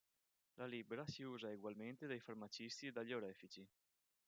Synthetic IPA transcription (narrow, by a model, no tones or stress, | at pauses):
lʔalibeɾasiuːzaeɡwalment̪ed̪ajfarmat͡ʃist̪ied̪aʎːioɾɛːfit͡ʃi